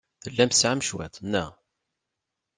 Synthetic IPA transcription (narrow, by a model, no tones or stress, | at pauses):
θəlːæmsʕamʃwæ̰t̪ˤnːæ